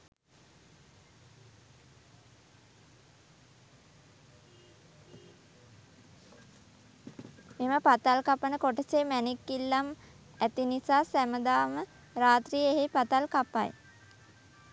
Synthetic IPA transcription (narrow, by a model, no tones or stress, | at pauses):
meməpat̪alkapənəkoʈəsemænikːilːam | æt̪inisaːsæməd̪aːmə | raːt̪rijeɦepat̪alkapa̰j